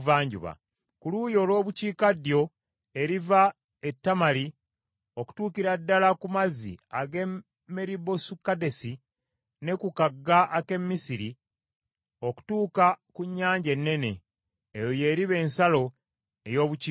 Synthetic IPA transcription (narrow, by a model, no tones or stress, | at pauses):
vaːɲɟṵβa̰ | kulujo̞ːlwo̞ːβuciːkadjo̞ | e̞ɾiva | e̞tːamali | o̞ku̥tuːkiɾadːalakumazḭaɡe̞ | mːeɾibo̞sukːade̞si | ne̞kukaɡːaʔːke̞mːisiɾi | o̞ku̥tuːkakuɲːaːɲɟe̞nːe̞ne̞ː | jo̞je̞ːɾiβe̞ːnsalo̞ | e̞jo̞ːβu